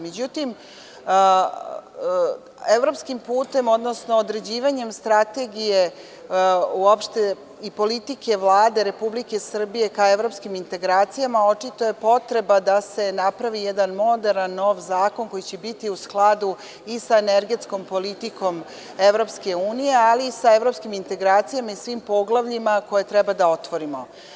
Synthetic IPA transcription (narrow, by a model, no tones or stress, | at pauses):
med͡ʑut̪im | eʋɾo̞pskimpuːt̪e̞mo̞d̪no̞sno̞ːd̪ɾe̞d͡ʑiːʋaɲe̞mst̪ɾat̪e̞ɡije̞ | uopʃt̪e̞ | ipo̞lit̪ike̞ʋlˠaːd̪e̞ɾe̞publike̞sr̩bije̞kae̞ʋɾo̞pskimint̪e̞ɡɾaːt̪sijamao̞t͡ʂit̪o̞je̞po̞t̪ɾe̞bad̪ase̞napɾaʋijɛd̪anmo̞d̪eɾnanːo̞ʋzaːko̞nko̞jit͡ɕebit̪iusklˠad̪u | isaeneɾɡe̞t̪sko̞mpo̞lit̪iko̞m | eʋɾo̞pske̞uːnije̞aliːsaevɾo̞pskimint̪e̞ɡɾaːt̪sijamaisʋimpo̞ɡlˠaʋʎimako̞je̞t̪ɾɛbad̪aot̪ʋo̞ɾimo